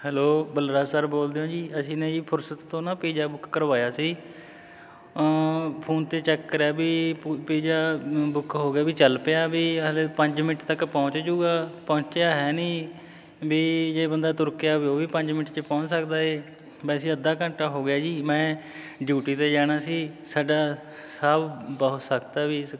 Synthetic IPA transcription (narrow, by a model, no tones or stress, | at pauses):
hɛːloːbəlɾaːsəɾboːld̪eõːd͡ʒiːəsĩːnẽːiːpʰʊɾsət̪ːõːnãːpiːd͡ʒaːbʊkːəɾʋaːjaːsiː | pʰoːnt̪eːt͡ʃɛkːəɾjaːbiːpiːd͡ʒaːbʊkɦoːɡjaːbiːt͡ʃəlpejaːbiːleːpəɲd͡ʒmɪnɪʈt̪əkpɔ̃ːt͡ʃd͡ʒuːɡaːpɔ̃ːt͡ʃjaːɦɛːnĩː | biːd͡ʒeːbənd̪aːt̪ʊɾkejaːbioːʋiːpəɲd͡ʒmɪnɪʈt͡ʃəpɔ̃ːt͡ʃsəkd̪aːɦeː | bɛːsiːəd̪aːkə̃ɳʈaːɦoːɡɪjaːd͡ʒiːmɛ̃ː | ɖjuːʈiːt̪eːd͡ʒaːɽ̃aːsiːsaːɖaː | səbbəʊt̪səkt̪aːbiːs